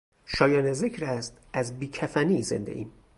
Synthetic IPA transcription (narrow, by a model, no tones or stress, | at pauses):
ʃɒːjɒːneze̞cʰɾæst̪ | æzbiːcʰæfæniːze̞̰nd̪ḛʔḭːm